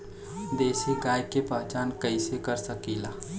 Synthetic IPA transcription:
d̪eːsiɡajkepəɦt͡ʃankəɪsekəɾsəkila

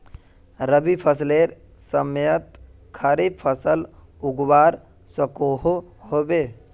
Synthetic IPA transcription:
ɾəbipʰəsleɾ | səmjət̪ | kʰəɾibpʰəsəl | uɡwaːɾ | səkoɦoɦobe

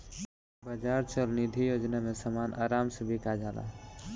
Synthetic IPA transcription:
bad͡ʒaːɾt͡ʃəlnid̪ʱijoːd͡ʒnamesəmanʔa̰ːɾaːmsebʱikad͡ʒala̰

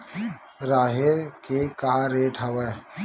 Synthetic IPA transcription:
ɾaːɦeɾkekaːɾeːʈɦəwɛː

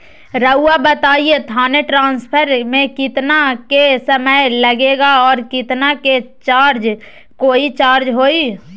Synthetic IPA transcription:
ɾəʊːabət̪aːiet̪ʰaːneʈɾãːnspʰəɾmẽkɪt̪nakesəməjləɡeːɡaɔːɾkɪt̪naket͡ʃaːɾd͡ʒ | koːit͡ʃaːɾd͡ʒɦoːi

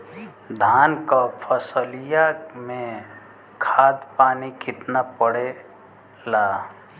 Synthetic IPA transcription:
d̪ʱaːnkapʰəsəlijamẽ | kʰaːd̪paːnikʰɪt̪napəɽe | laː

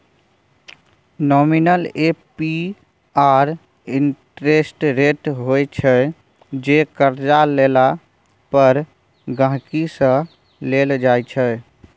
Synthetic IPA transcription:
nɔminəlepi | aɾ | inʈɾesʈɾeʈɦojt͡ʃʰə | d͡ʒekəɾd͡ʒalela | pəɾ | ɡãɦkisə̃ | leld͡ʒajt͡ʃʰə

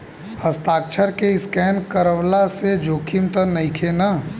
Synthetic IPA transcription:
əst̪aːk̚t͡ʃʰəɾkeɪskɛːnkəɾəʋlased͡ʒoːkʰimt̪ənɐĩkʰena

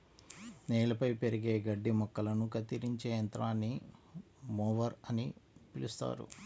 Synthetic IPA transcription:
neːlɐpɐjpe̞ɾiɡe̞ːɡɐɖːimɔkːɐlɐnukɐt̪iɾiɲt͡ʃeːjɐnt̪ɾaːnːi | mɔːʋɐɾɐnipilust̪a̰ːɾṵ

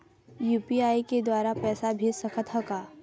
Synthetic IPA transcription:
juːpiaːiked̪waːɾapɛːsabʱisəkʰət̪ɦəkaː

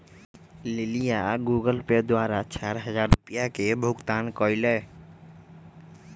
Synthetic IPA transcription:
lilijaɡuɡəlped̪waɾat͡ʃaɾɦəd͡ʒaɾupijakebʱuɡt̪ankɔɪlɛ

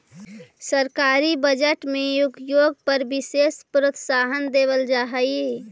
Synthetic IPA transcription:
səɾkaːɾibəd͡ʒəʈmẽjʊɡjoːɡ̚pəɾbɪseːspɾət̪saːɦənd̪eːʋəld͡ʒaːɦəje

